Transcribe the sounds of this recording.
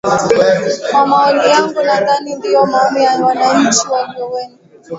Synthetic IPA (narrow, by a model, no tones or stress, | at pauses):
mamaɔlijaŋɡunaðanindijɔmaɔmijawanaɲ̩t͡ʃiwɛŋɡɛwɛnu